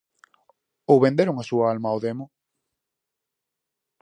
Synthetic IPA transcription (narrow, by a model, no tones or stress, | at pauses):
owβẽnd̪eɾʊŋasuɐalmaoðemo